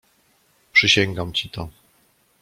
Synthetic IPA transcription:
pʂɘɕɛŋɡamt͡ɕit̪ɔ

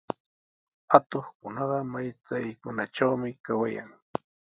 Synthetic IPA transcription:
at̪oχkʊnɑɢɑmajt͡sajkʊnaʈ͡ʂawmɪkawaja̰ŋ

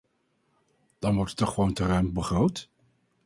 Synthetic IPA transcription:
d̥ɑnʋɔɹtətːɔχəʋowntərœɥmbəχrowt

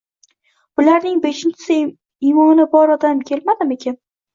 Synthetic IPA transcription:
b̥ʊlaɾnɪŋbe̞ʃɪnt͡ʃʰɪ̥sɪ | ijmɒnɪnɪbɒɾɒd̪amkʲʰe̞lmad̪ɪmekʲʰan

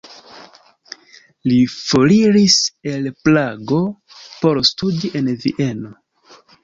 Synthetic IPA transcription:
lifoliɾise̞lplaɡo̞ | po̞ɾstudiʔe̞nvḭʔe̞no̞

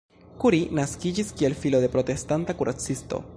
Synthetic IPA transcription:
kuɾinaskid͡ʒiskie̞lfilo̞de̞pɾo̞te̞stantakuɾʔat͡sisto̞̰

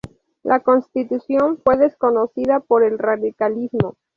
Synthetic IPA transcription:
lʔako̞nst̪it̪usjo̞ɱfwe̞ðe̞sko̞nosiðapo̞ɾe̞lraðikalizmo̞

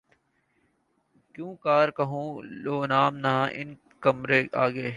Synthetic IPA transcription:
kjũːkaːɾkɐɦũːloːnaːmnaãʔɪ̰n | kɐmɾeaːɡeː

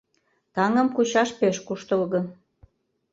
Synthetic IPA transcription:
t̪ɑŋə̆mkut͡ɕɑʃpeʃkuʃt̪əlɣɤ̆

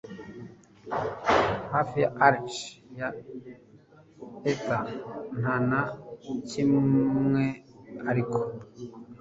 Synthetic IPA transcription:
hafijaaɾt͡ʃja | esan̥anacimŋeaɾikʰo

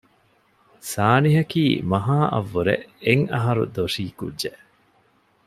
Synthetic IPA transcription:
saːniɦɐkiːmɐɦaːʔɐ̰ʋːuɾḛʔeŋɐɦɐɾṵd̪oʂiːkṵdʒeʔ

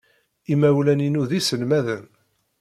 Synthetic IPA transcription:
imæwlæninuðisəlmæðən

